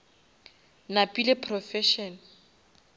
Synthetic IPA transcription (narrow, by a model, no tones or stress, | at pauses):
napʼilɪpʰrɔfɛʃɔn